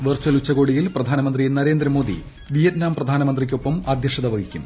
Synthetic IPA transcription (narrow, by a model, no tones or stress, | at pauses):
ʋɐrt͡ɕɐlut͡ɕːɐɣo̞ːɽijilprɐd̪ʱaːnɐmɐnd̪rienɐɾe̞ːnd̪ɾɐmo̞ːd̪ḭ | ʋijɐtnaːmprɐd̪ʱaːnɐmɐnd̪rik̬ʲːo̞pːɐmɐd̪ʱjɐʂɐðɐʋɐɣikʲːum